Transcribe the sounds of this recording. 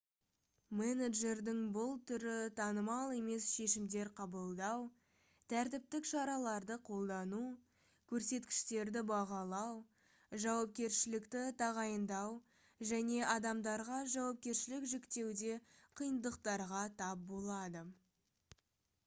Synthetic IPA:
meneʒe̞ɾd̪ɪŋbʊlˠt̪ʰʏɾɪt̪ʰɑnəmɑlˠe̞me̞sʃe̞ʃɪmd̪e̞ɾqʰɑbəlˠd̪ɑw | t̪ʰæɾt̪ɪp̚t̪ɪkʃɑɾɑlˠɑɾd̪əqʰo̞lˠd̪ɑnu | kʲʰɵɾse̞t̪kʲɪ̥ʃt̪e̞ɾd̪ɪbɑʁɑlˠɑw | ʒɑwɑp̚kʲe̞ɾʃɪlɪkt̪ɪt̪ʰɑʁɑjənd̪ɑw | ʒæne̞ʔɑd̪ɑmd̪ɑɾʁɑʒɑwɑp̚kʲe̞ɾʃɪlɪkʒe̞kt̪e̞wd̪e̞qʰijənd̪əqt̪ɑɾʁɑt̪ʰɑp̚bo̞lˠɑd̪ə

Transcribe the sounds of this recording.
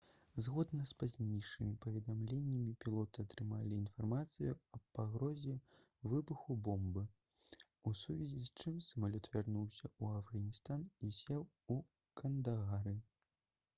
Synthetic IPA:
zɣɔd̪nɐspazʲnʲejʂɨmʲipɐvʲɛd̪amlʲenʲːɐmʲipʲilˠɔt̪ɨat̪ɾɨmalʲiːnfarmat̪sɨjuɐpaɣɾɔzʲɛ | vɨbuxubɔmbɨ | usuvʲizʲisʲt͡ʂɨmsɐmalʲɔt̪vʲarnuwsʲɐuɐvɣɐnʲist̪anisʲɛw | u | kɐnd̪aɣaɾɨ

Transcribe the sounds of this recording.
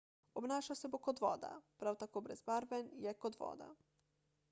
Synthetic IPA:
obnaːʃawsɛbokod̪ʋɔ̰ːd̪a̰pɾawt̪akoːbɾɛzbaɾbɛnjɛkod̪ʋɔ̰ːd̪a̰

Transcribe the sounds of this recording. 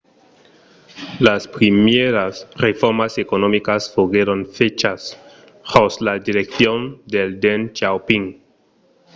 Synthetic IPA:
laspɾimjeɾasrefoɾmasekonomikasfoɣeɾonfet͡ʃas | hoslad̪iɾek̚θjond̪eld̪ent͡ʃawpiŋ

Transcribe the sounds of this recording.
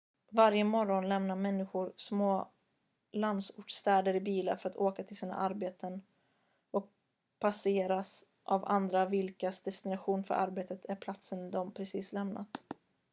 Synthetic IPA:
vaɾjəmɔɾɔnlɛmnaɾmɛnːɪɧʊɾsmoː | land̪sʊʈʂt̪ɛːd̪əɾɪbiːla̰fœɾat̪oːkat̪ʰɪlsiːna̰ʔaɾbeːt̪ʰən | ɔk̚ | pʰaseːɾas | ʔava̰nd̪ɾavɪlkasd̪ɛst̪ɪnaɧuːnfœ̰ɾʔa̰ɾbeːt̪ət̪ʰæɾpʰlat̪sənd̪ɔmpʰɾɛsiːslɛmnʔa̰t̪

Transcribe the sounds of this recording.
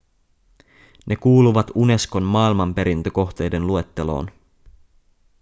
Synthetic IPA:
nʔe̞kuːluʋɑt̪une̞sko̞nmɑːilmɑmpe̞ɾint̪øko̞xt̪e̞jde̞nlue̞t̪ːe̞lo̞̰ːn

